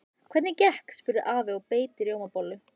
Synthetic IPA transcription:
kʰv̥ɛt̪nɪcɛhkspʏɾðɪðʔaːvɪɔpeːjt̪ɪɾjoːwmapoːwlʏ

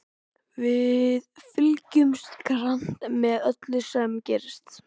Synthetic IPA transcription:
vɪðfɪlcʏmskɾan̥t̪mɛðœt̪lʏsɛmcɛːɾɪst̪

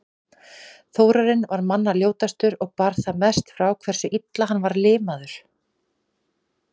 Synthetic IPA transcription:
θoːwɾaɾɪnvaɾmanːaljoːwt̪ast̪ʏɾɔɣpaɾθamɛst̪fɾawkʰvɛr̥sʏʔit̪laɦanːvaɾlɪːmaðʏɾ̥

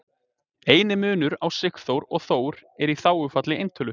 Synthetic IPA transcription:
eːjnɪmʏːnʏɾawsɪkθowɾɔɣθoːwɾɛɾiθaːwʏfat̪lɪejnt̪ʰœlʏ

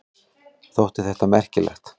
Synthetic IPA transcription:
θowht̪ɪθɛht̪amɛr̥cɪlɛ̰xt̪

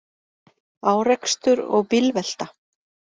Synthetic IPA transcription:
aːwrɛkst̪ʏɾɔ̰ɣpɪlvɛl̥t̪a

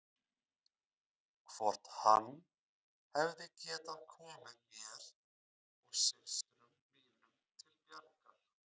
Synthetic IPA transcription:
kʰv̥ɔɾ̥t̪hanː | hɛvðɪcɛːt̪aðkʰɔːmɪðmjɛɾ̥ | ɔɣsɪlsɾʏmmiːnʏmt̪ʰɪlpjɛɾka

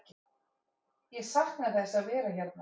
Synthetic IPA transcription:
jɛsahknaθɛsːaðvɛːɾaçɛɾt̪na

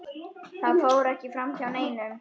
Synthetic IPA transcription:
θaðfoːwɾɛhcɪfɾamçawneːjnʏm

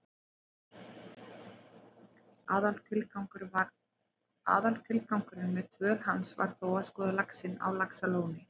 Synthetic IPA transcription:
aðalt̪ʰɪlkawŋkʏɾ | a̰ːðalt̪ʰɪlkawŋkʏɾɪnmɛðt̪ʰvœɾ̥ɦansva̰ɾ̥θowaskɔːðalaksɪna̰wlaksaloːwnɪ

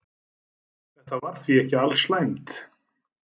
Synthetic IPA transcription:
θɛht̪avaɾ̥θviɛhcɪalslajmt̪

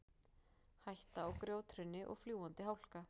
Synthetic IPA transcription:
hajht̪aɔɣkɾjoːwt̪ʰɾʏnːɪʔɔ̰ɣfljuːant̪ɪɦawl̥ka

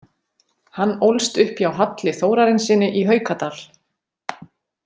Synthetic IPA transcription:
hanːowlst̪ʏhpjawɦat̪lɪθoːwɾaɾɪnsɪːnɪʔiɦœːɥkat̪al̥

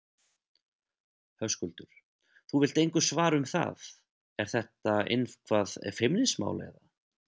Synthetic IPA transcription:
hœwskʏlt̪ʏɾ̥ | θuvɪl̥t̪ejŋkʏ̥svaːɾʏmθa̰ð | ɛɾ̥θɛht̪aɪ̰nvkʰvaːðfɪmnɪsma̰ːwlḛjða

